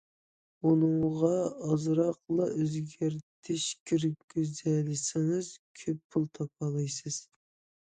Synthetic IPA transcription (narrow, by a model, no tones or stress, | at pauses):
unɨŋʁɑɑzɾɑqlˠɑʔøzɡʲæɾt̪ʰɪʃkʲʰiɾɪp̚ɡʲøzɛlɪsɪŋɨzkʲʰøpːʰulˠt̪ʰɑp̚ʰɑlˠɑjsɨz̥